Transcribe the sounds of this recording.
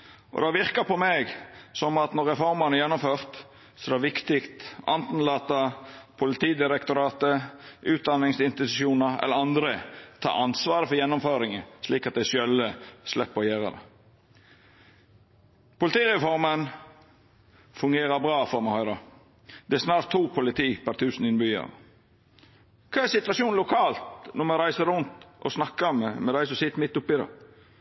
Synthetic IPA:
ʔɔ̰d̪ɑʋɪɾkɑpʰɔmɛɡsɔmɑt̪nɔɾɛfɔɾmɑnəjɛnːɔmføːɾt̪ | sɔd̪ɛʋɪkt̪ɪkt̪ʔɑ̰nt̪n̩lɑːt̪ɑpʰʊlɪt̪iːd̪ɪɾɛkt̪ʊɾɑːt̪əʔʉːt̪̚d̪ɑnɪŋsɪnst̪ɪt̪ʉʃuːnəɾɛ̰lːəɾɑnd̪ɾət̪ʰɑ̰ːɾɑnsʋɑːɾəfɔɾjɛnːɔmføːɾɪŋəsliːkɑt̪̚d̪æɪsœlːəslɛpːɔjeːɾə̰d̪ɛ̰ | pʊlɪt̪iːɾɛfɔɾmən | fʉŋɡeːɾəbɾɑːfɔɾmɛhœʏɾə | d̪̥ɛæsnɑːɾt̪ʰːuːpʰʊlɪt̪ʰiːpʰæɾt̪ʰʉːsn̩ɪnbʏə̰ɾ | kʰɑːɛsɪt̪ʉʋɑʂuːnlʊkʰɑːlt̪nɔmɛɾæɪsəɾɾʊnt̪ʔɔ̰snɑkːəmɛmɛd̪æɪsɔsɪt̪ːəmɪt̪ːʊpːɪd̪ɑ̰

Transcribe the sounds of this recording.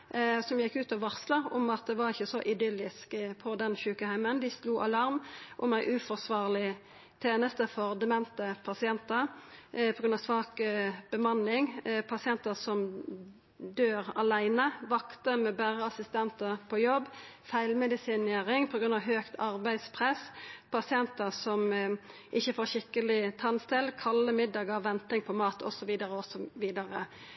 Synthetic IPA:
sɔmjɛkːʉːt̪ɑʋɑʁsləʊmɑt̪̚d̪ɛʋɑɾɪçːəsɔʔɪd̪ʏlɪskpʰɔd̪ɛnçʉːkəhæɪmənd̪ɪsluːʔɑlɑʁmʔɔmæɪʔʉːfɔʁsʋɑːʁlɪ | t̪ʰeːnəst̪əfɔʁd̪ɛmɛnt̪əpʰɑsɪɛnt̪əʁpʰɔɡɾʉnɑːʋsʋɑːkb̥əmɑnɪŋpʰɑsɪɛnt̪əsɔm | d̪øːʁɑ̰læɪnəʋɑkt̪əɾmɛbæːʁəɑsɪst̪ɛnt̪əʁpʰɔjɔbːfæɪlmɛd̪ɪsɪneːɾɪŋpʰɔɡɾʉnɑʋɦøːkt̪ʰɑɾbæɪd̪spʰʁɛspʰɑsɪɛnt̪əsɔm | ʔɪçːəfoːɾɕɪkːəlɪt̪ʰɑnst̪ɪlkʰɑlːəmɪd̪ɑːɡɑʋʋɛnt̪ɪŋpʰɔmɑːt̪ʰɔ̰sɔʋiːd̪əʁəɔsɔʋiːd̪ɑɾə

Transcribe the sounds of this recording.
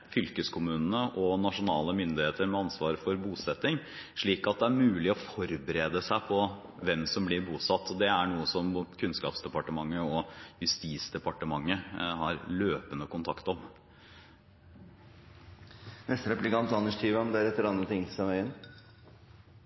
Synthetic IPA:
fʏlkəskʰʊmʉːnnəʔɔnɑʂʊnɑːləmʏnd̪ɪheːt̪əɾmɛɑnsʋɑːɾfɔɾbuːsɛt̪ːɪŋ | ʂɭiːkɑt̪̚d̪ɛæɾmʉːlɪɔfɔɾbəɾeːd̪əsæɪpʰɔ | ʋɛmsɔmblɪɾbuːsɑt̪ːɔd̪ɛæɳuːəsɔmkʰʉnskɑ̰ːpsd̪ɛpɑʈəmɑŋːəɔjʉst̪iːsd̪ɛpɑʈəmɑŋːəhɑɾløːpənəkʰʊnt̪ʰɑkt̪ɔm | nɛst̪əɾɛplɪkɑnt̪ɑnːəʂʈ̪ʰiːʋəɔmd̪æːɾɛt̪ːəɾɑnd̪ɾət̪ʰɪŋsɑʋæɪən

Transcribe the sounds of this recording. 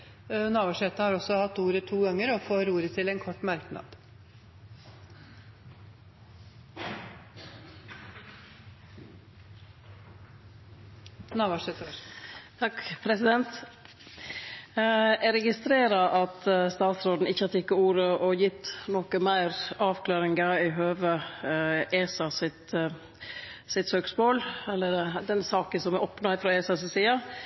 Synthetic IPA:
nɑːʋɑʂɛt̪ːəhɑɾɔsːɔhɑt̪ːuːɾət̪ʰuːɡɑŋːəɾɔfoːɾuːɾət̪ʰɪlɛnkʰɔʈːmɑɾknɑ̰d̪̥ | nɑːʋɑʂɛt̪ | t̪ʰɑkpʰɾɛsɪd̪ɛnt̪ | ɛɾɛɡɪst̪ɾeːɾɑʔɑt̪st̪ɑːt̪sɾoːd̪n̩ɪçːəhɑfɪkːəuːɾəʔɔjɪt̪ːnɔkəmæɪɾɑːʋkʰlɑːɾɪŋɡəɾɪɦøːʋə | ʔeːsɑsɪt̪ | sɪt̪søːksmoːlɛlːəɖɛd̪ɛnsɑːkənsɔmɛʔɔpnɑɪfɾɑeːsɑsɪsiːɑ

